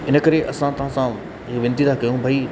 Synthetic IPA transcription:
ɪnə̆kɐɾeʔɐsãt̪ɐɦãsã | ɦɪkʋɪ̃nt̪it̪ʰakɐjũbʱai

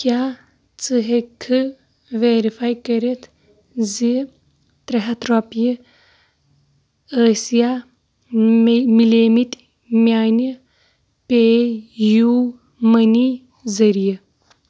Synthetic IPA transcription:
kjaː | t͡sɨɦekʰːɨ | ʋeːɾifaːjkɐɾet̪ʰ | zi | t̪ɾɐɦɐt̪ɾopji | əːsija | mileːmit | mjaːni | peju | mɐni | zɐɾijɐ

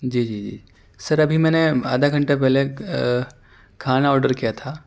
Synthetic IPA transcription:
d͡ʒiːd͡ʒiːd͡ʒḭː | sɐɾɐbʱimɛ̃ːnea̰ːd̪ʱaɡʱɐ̃ɳʈepɛɦle | kʰaːnaɔːɾɖəɾkijat̪ʰaː

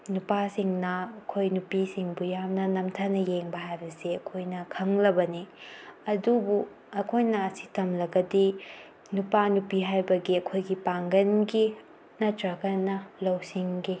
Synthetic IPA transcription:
nupasiŋnɐɐkʰojnupisiŋbujamnɐnɐmtʰanɐjeŋbɐɦajbɐsiɐkʰojnɐkʰɐŋlɐbɐniɐdubu | ɐkʰojnɐɐsi̥tʰɐmlɐɡɐdi | nupanupiɦajbɐɡiɐkʰojɡipaŋɡɐnɡi | nɐtɾɐkɐnːɐlɐwsiŋɡi

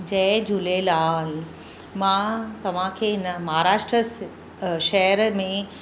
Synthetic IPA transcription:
d͡ʑɐɦd͡ʑulelaːl | mãt̪ɐʋ̤ãkʰeːɦɪnəmɐɦaɾaːʃʈɾəs | ʃɛɦəɾmẽ

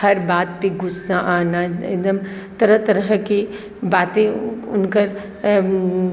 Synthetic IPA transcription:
hɐɾbaːt̪̚piɡʊsːaʔaːnaḛd̪əmt̪ɐɾət̪ɐɾəɦki | baːt̪ẽʊnkəɾ

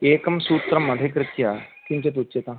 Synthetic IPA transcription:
eːkɐmsuːt̪ɾɐmːɐd̪ʱekɾɪt̪jat̪imt͡ɕet̪̬utːet̪a

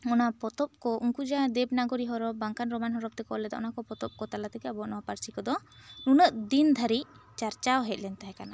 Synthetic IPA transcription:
ɔnapɔt̪ɔp̚kɔʔuŋkud͡ʒad̪ɛbnaɡɔɾiɦɔɾɔp̚ːaŋkanɾɔmanɦɔɾɔp̚t̪ɛkɔlɛd̪aʔɔ̰nakɔpɔt̪ɔp̚kɔt̪alat̪ɛkɛabɔʔnɔɔpaɾt͡ʃikɔd̪ɔnunəʔd̪ind̪ʱaɾit͡ʃaɾt͡ʃawɦɛt̪̚ˀlɛnt̪aɦɛ̃kana

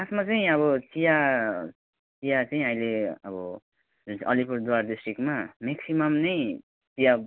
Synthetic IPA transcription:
asmat͡saĩʌβʌt͡sija | t͡sijat͡saĩʌjleʌbʌ | ʌ̰lipurd̪waɾdisʈrikmameksimʌmnʌj | t͡sija

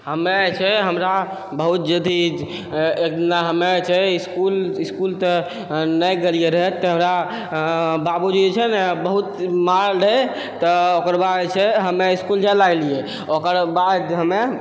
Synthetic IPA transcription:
ɦəmet͡ʃʰɛɦəmɾa | bəɦut̪̚d͡ʒəd̪i | ek̚d̪inaɦəmet͡ʃʰɛiskuliskult̪ə | nəjɡelijeɾəɦɛt̪ːəɦəmɾa | babud͡ʒuet͡ʃʰɛnebəɦut̪maɾɾə | t̪ɔokəɾbad̪t͡ʃʰɛɦəmeiskuld͡ʒalaɡlije | okəɾbad̪ɦəme

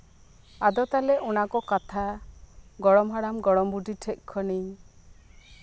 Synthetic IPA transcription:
ad̪ɔt̪aleʔunakɔkat̪ʰa | ɡɔɽɔmɦaɽamɡɔɽɔmbuʈiʈʰɛʔ̚ˀkʰɔni

